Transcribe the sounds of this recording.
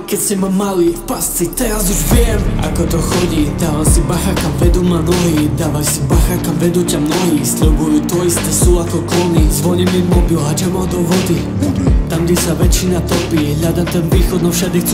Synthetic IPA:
kɛcscɛmamaliːfpast͡sit̪ɛɾazuʒvjɛma̰kɔt̪ɔxɔɟid̪aːʋasibaxakavɛd̪ɔmanɔɦid̪aːʋajsibaxakamvɛd̪ucamnɔɦiːsʎubujut̪ɔist̪ɛsuːakɔklɔnizʋɔɲɛmimɔbilat͡ʃɛmad̪ɔvɔd̪i | t̪amɡɟɛsaʋɛt͡ʃinat̪ɔpiɛɦʎʲad̪at̪ɛnviːxɔd̪nɔfʃad̪ixt͡su

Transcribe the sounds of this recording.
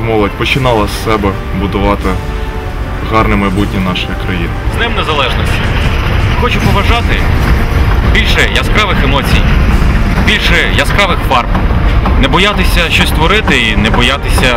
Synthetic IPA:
mɔlˠɐtʲpɔt͡ʃɪnɑlˠɐsːɛbɛ | bʊd̪ʊʋɑt̪ɪ | ɦɑrnɪmɐjbutʲnʲinɑʃʊjikɾɐjinɪznɪmnezɐlˠɛʒnɔsʲtʲixɔt͡ʃʊpɔʋɐʒɑt̪ɪ | bʲilʲʃɛjɐskaʋɪxemɔt͡sʲij | bʲilʲʃɛjɐskɑʋɪxfɑrpnɛbɔjat̪ɪsʲɐʃt͡ʃɔsʲt̪ʋɔɾɪt̪ɪinɛbɔjat̪ɪsʲɐ

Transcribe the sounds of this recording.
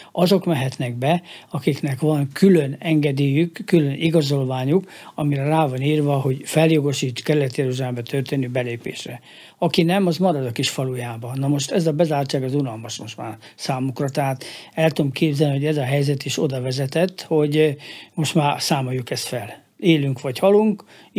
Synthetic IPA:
ɒzo̞kmɛɦɛt̪nɛɡ̚bɛɒkiknɛkʋɒnkʰylønɛŋɡɛd̪iːjykːylønʔiɡɒzo̞lvaːɲuk | ɒmiɾɛraːvɒniːrvɒɦo̞ɟfɛljo̞ɡo̞ʃiːt̪kɛɾlːɛt̪jɛɾuʒaːlɛmbɛt̪ʰørt̪eːnyːbɛleːpḛːʃrɛ | ɒkinɛmɒzmɒɾɒd̪ɒkiʃfɒlujaːbɒnɒmo̞ʃt̪ɛzɒbɛzaːrt͡ʃaːɡɒzunɒlmɒʃmo̞ʃt̪ma̰ːrsaːmukrɒt̪ɛɦaːt̪ɛlt̪ud̪omkʰeːbzɛlniɦo̞ɟɛzɒɦɛjzɛt̪iʃo̞d̪ɒvɛzɛt̪ɛt̪ːho̞ɟmo̞ʃt̪maːrsaːmo̞jːukɛst̪fɛl | eːlyŋkʋɒchɒluŋk

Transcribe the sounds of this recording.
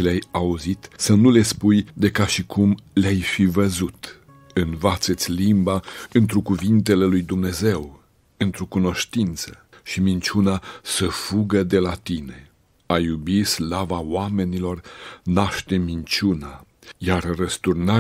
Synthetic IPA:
ileajauzit̪sənule̞spujd̪e̞kaʃikʰumleajfivəzut̪ | ɨnvat̪set̪sʲlimbaɨnt̪ɾukuvint̪e̞le̞lujd̪umne̞ze̞w | ɨnt̪ɾokuno̞ʃt̪int̪sə | ʃimint͡ʃunasəfuɡəd̪e̞lat̪ine̞ | ajubislavawame̞nilo̞rnaʃt̪e̞mint͡ʃuna | jarrəst̪urna

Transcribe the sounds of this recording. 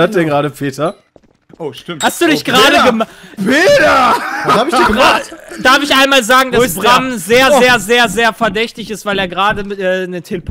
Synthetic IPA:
øɐt̚d̥ɛnɡʁaːɾəpʰeːtʰɐ | ʃɪhastd̥uːdɪçɡ̥ʁaːdəɡəmveːd̥ashaːbɪç̥iɡatd̥aɐfɪçʔaɪnmaːlzaːɡŋ̩dabʁamzeːɐeːɐzeːɐzeːɐfɛɐdɛçtɪçɪstv̥aɪleːɐɡʁaːdəmɪtʔɛːnətʰeləp

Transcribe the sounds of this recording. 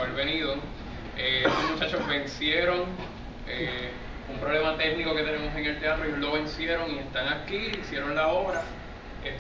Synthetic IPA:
βeɾβe̞niðo | eet̪osmut͡ʃat͡ʃozbe̞nsje̞ɾo̞ŋ | e | umpɾo̞βle̞mat̪e̞k̚niko̞ke̞t̪e̞ne̞mose̞ŋe̞lt̪eat̪ɾoejolo̞βe̞nsje̞ɾo̞ŋiest̪aŋakiisje̞ɾo̞nlao̞βɾa | e

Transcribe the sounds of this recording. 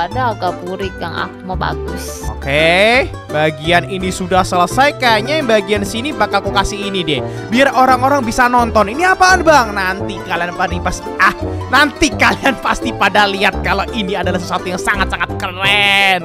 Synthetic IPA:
adaːɡabuɾɪkja̰ŋa̰k̚umoba̰ɡʊs | oke | baɡianinisudahsələsajkaaɲajŋbaɡiansinibakalkukasɪɦinidɪ | biarʔoɾaŋoɾaŋbisanɔnt̪ɔniniapaːnbaŋnant̪ikalianpadipas | ahnant̪ikalianpast̪ipadaliat̪̚kaloʔiniadalahsəsuat̪ujaŋsaŋat̪̚saŋat̪̚kərɛn

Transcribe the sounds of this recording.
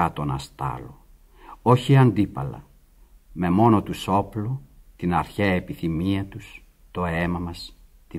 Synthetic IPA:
ɐt̪o̞nɐst̪ɐ̰lo | o̞çiɐnd̪ipɐ̰lɐ̰ | me̞mo̞no̞t̪uso̞plot̪inɐɾçeepiθimiɐt̪us | t̪o̞emɐmɐs | t̪i

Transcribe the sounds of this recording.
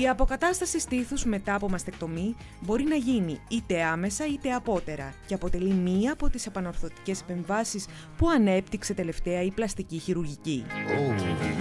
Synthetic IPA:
iɐpo̞kɐt̪ɐst̪ɐsist̪iθuzme̞t̪ɐːpo̞mɐst̪e̞k̚t̪o̞mi | bo̞ɾinɐʝiniit̪e̞ɐme̞sɐit̪e̞ɐpo̞t̪e̞ɾɐ̰ce̞ɐpo̞t̪e̞limiɐːpo̞t̪ise̞pɐno̞ɾθo̞t̪i̥ce̞se̥pe̞ɱvɐsis | puɐne̞pt̪ikse̞t̪e̞le̞ft̪e̞ɐiplɐst̪iciçiɾuɾʝici

